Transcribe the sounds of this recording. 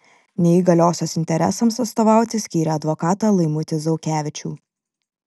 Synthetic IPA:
nʲɛɪɡɐlʲoːsʲoːsɪnʲt̪ʲɛɾʲɛ̰sɐmsɐt̪st̪ɔːʋɑˑʊt̪ʲɪsʲkʲiːɾʲɛɐd̪ʋɔkɑːt̪ɑlˠɐɪmʊt̪ʲɪzɔʊkʲæːʋʲɪt͡ʃʲṵː

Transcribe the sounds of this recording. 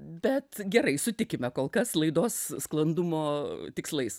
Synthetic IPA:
bʲɛt̪ɡʲɛɾɐɪsʊt̪ʲɪkʲɪmʲɛkoːlˠkɐslˠɐɪd̪oːssklˠɐnd̪ʊmoːt̪ʲɪkslˠɐɪs

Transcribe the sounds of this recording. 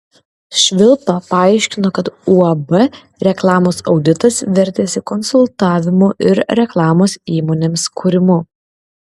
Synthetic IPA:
ʃʲʋʲɪlˠpɐpɐɑɪʃʲkʲɪnoːkɐt̪uɐbɛ | ɾʲɛklˠɑːmoːsɒʊd̪ʲɪt̪ɐsʋʲɛɾʲt̪ʲeːsʲɪkɔnsʊlˠt̪ɑːʋʲɪmuʔɪɾɾʲɛklˠɑːmoːsiːmoːnʲeːmskʰʊɾʲɪmʊ

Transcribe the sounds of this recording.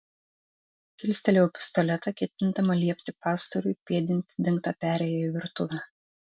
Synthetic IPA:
kʲɪlʲsʲt̪ʲɛlʲɛʊpʲɪ̥st̪ɔlʲɛt̪ɐkʲɛt̪ʲɪnd̪ɐmɐlʲiɛpʲt̪ʲɪpɑːst̪ɐɾʊɪpʲiɛd̪ʲɪnʲt̪ʲɪd̪ʲɪŋkt̪ɐpʲæːɾʲɛjoːiʋʲɪɾt̪ʊʋʲɛ

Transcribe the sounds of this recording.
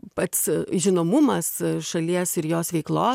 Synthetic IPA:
pɐt̪sʒʲɪnoːmʊmɐsʃɐlʲiɛsɪɾjoːsʋʲɛɪklˠoː

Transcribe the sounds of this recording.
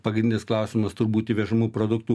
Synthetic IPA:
pɐɡɾʲɪnʲd̪ʲɪnʲɪsklˠɐʊsʲɪmɐst̪ʊɾbuːt̪ʲiʋʲɛʒɐmuːpɾoːd̪ʊkt̪uː

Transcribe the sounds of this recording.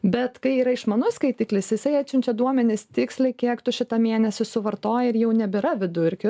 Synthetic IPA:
bʲɛt̪kɐɪiːɾɐɪʃmɐnʊskɐɪt̪ʲiːklʲɪsjɪsɐɪæːt͡ʃʲʊnʲt͡ʃʲɛd̪uɔmʲɛnʲɪst̪ʲɪksʲlʲɐɪkʲiɛkt̪ʊʃʲɪt̪ɐmʲeːnʲɛsʲɪsʊʋɐɾt̪oːjɪɾjɛʊnʲɛbʲɪɾɐʋʲɪd̪ʊɾʲkʲʊ

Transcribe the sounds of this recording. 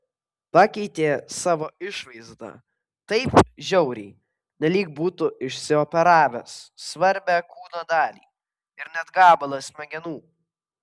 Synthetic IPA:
pɑkʲɛɪt̪ʲeːsɑːʋoːɪʃʋɐɪzd̪ɑ̰ | t̪ɐɪp̚ʒʲɛʊɾʲɛɪ | nʲɛlʲiːkbuːt̪ʊɪʃʲsʲɪɔpʲɛɾɑːʋʲesːʋɐɾʲbʲækuːnod̪ɑːlʲḭː | ɪɾnʲɛd̪ɡɑːbɐlˠosʲmʲɛɡʲɛnuː

